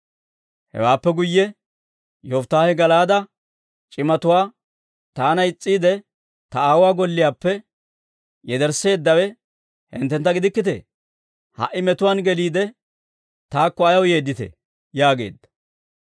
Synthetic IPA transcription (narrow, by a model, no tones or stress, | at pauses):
hɛ̰waːpːɛɡʊjːɛ | joːft̪ːaːhɛɡɐlaːd̪ɐ | t͡ʃʼɪmɐt̪ʊwaː | t̪aːnɐɪt͡sʼːiːd̪ɛ | t̪ɐaːwʊwaːɡɔlːɪjaːpːɛ | jɛd̪ɛɾse̞ːd̪ːɐwɛ | hɪ̰nt̪ːɛnt̪ːɐɡɪd̪ɪkːɪt̪ɛ̰ | hɐ̰ʔːɪmɛt̪ʊwaːnɡɛliːd̪ɛ | t̪aːkːɔɐjɐwje̞ːd̪ːɪt̪ɛ̰ | jaːɡe̞̰ːd̪ːɐ̥